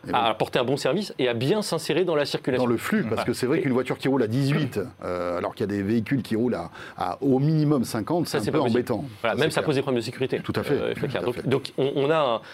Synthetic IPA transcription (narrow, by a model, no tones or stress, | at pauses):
alɔʁpɔʁt̪eɛ̃bɔ̃sɛʁviseabjɛ̃sɛ̃seʁed̪ɑ̃lasiʁkʲylad̪ɑ̃ləflypaʁskəsɛvʁɛkynvwat̪yʁkʲiʁulad̪izɥit̪øalɔ̰ʁkiljad̪eveikʲylkʲʰiʁula̰ | a̰ominimɔmsɛ̃kɑ̃t̪sasɛpøɑ̃bɛt̪ɑ̃valamɛmsapozd̪epχɔblɛnd̪əs̬ekʲyʁit̪et̪ut̪afɛ̰fɛklɛ̰ʁdɔ̃kd̪ɔ̃kɔ̃ʔɔ̃naɛ̃